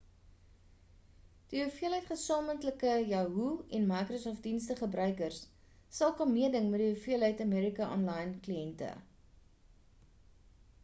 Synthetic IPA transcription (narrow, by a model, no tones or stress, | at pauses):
d̥iufiəlɦəjtχəsɑːməntləkəjɑːɦuɛnmɐjkrosɔːft̚dinstəχəbɾœɥkərs | sɐlˠkɐnmiədəŋmɛtdiufiəlɦəjtɐmiɾikɐʔɔ̰nlɐjnkliɛntə̰